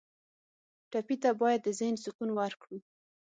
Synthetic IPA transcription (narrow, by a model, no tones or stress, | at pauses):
ʈapit̪abɑjad̪ːəzɪhnsʊkunwaɾkɽi